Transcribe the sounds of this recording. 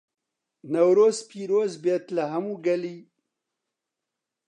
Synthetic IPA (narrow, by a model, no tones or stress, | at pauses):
nawɾozpiɾoːzbet̪laɦamuɡali